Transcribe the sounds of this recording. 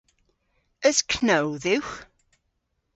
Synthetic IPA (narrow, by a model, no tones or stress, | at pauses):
əz̥kʰnowðɪwx